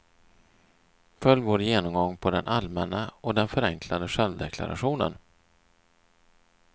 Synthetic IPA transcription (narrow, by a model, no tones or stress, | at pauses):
fœljːvoːɾjeːnɔmɡɔŋːpʰɔd̪ɛnʔalmɛnːaɔd̪ɛnfœɾɛŋkʰlad̪əʂɛlvd̪ɛkʰla̰ɾa̰ɧuːnə̰n